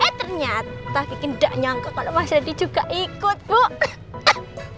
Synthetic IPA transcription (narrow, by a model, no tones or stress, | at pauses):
et̪ərɲat̪akikənɖaʔɲaŋkaʔkalomasadi̥d͡ʒ̥uɡ̥aʔikʊt̪̚bo